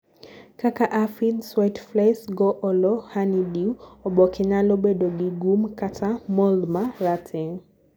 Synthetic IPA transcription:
kakaʔafidswatflasɡɔʔɔlɔhanidiuɔɓɔkʰeɲalɔɓɛɗɔɡiɡumkatʰamɔlmaɾatʰe

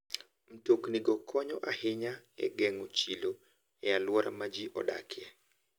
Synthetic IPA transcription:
m̩tokniɡɔkʰɔɲɔʔahɪɲaɛ̰ɡɛŋot͡ʃilo | ɛalwɔɾa̰mad͡ʒiʔɔ̰da̰kʰjɛ

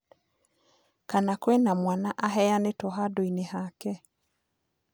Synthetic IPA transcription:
kanakwɛnamwanaʔaɦɛjanetɔɦadoinehakɛ

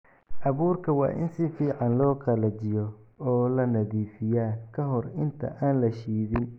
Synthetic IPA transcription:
ʔɑβuːrkʰɐwɑ̰ːʔɪ̰nsɪfiːʕɑnlɔːqɑlɐt͡ʃɪjɔɔːlɐnɐðiːfɪjaːkʰɐɦɔrɪnt̪ʰɐ̰ʔaːnlɐʃiːðɪn

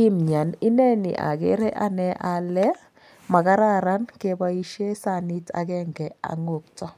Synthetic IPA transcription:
imɲaninɛnḭʔa̰ɡeɾeʔanɛʔalːɛ | makaɾaɾankebaiʃesanita̰ɡɛŋɡɛa̰ŋop̚tɔ

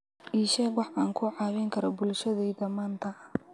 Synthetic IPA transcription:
ʔiːʃɛːkwɑħaːŋkʰʊʕɑːβɛŋkʰɐɾɐbʊlʃɐðɛjdɐmaːnt̪ʰɐ

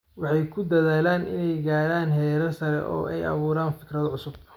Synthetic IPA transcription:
wɑħɑjkʰʊd̪ɐðaːlaːnʔɪ̰nɛjɡaːɾaːnɦɛːɾɐsɐɾɛ̰ʔɔ̰ːʔɛjɐ̰βuːɾaːnfɪkrɐðʕʊsʊb̚

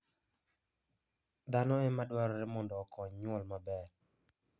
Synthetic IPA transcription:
d̪anɔɛmadwaɾɔɾɛmɔndɔːkʰɔɲɲwɔlmabɛɾ

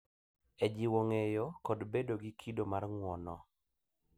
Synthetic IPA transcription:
ed͡ʒiwoŋejokɔdbedoɡikʰidomarŋwɔnɔ

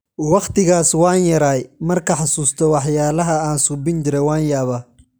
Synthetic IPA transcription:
wɑqt̪ʰɪɣaːswɑːnjɐɾaːjmɐrkʰɐħɑsuːst̪ʰɔwɑħjaːlɐɦɐaːnsubɪnt͡ʃɪɾɛwaːnjaːβaː

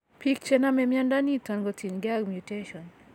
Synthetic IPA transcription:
pik̚t͡ʃɛnamɛmjandanitanɡɔtʰinɡaɡmjuteʃɔn

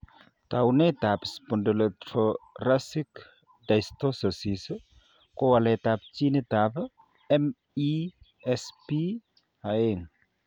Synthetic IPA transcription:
t̪awnet̪apspɔndəlet̪ɾoɾasik | dajst̪osəsis | kowalet̪apt͡ʃinet̪ap | em | i | espi | haeŋ

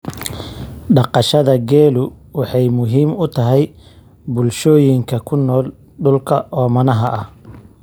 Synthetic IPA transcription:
ɖɑqɑʃɐðɐɡɛːlʊwɑħɑjmʊɦiːmʊt̪ʰɐɦɛj | bʊlʃɔːjɪŋkʰɐkʰʊnːɔːl | ɖʊlkʰɐʔɔːmɐnɐɦɐʔɐh

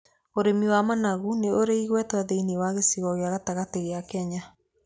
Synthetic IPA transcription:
oɾemiwamanaɣuneoɾeiɣwɛtwaðeiniwaɣesiɣɔɣeaɣataɣateɣeakɛɲa

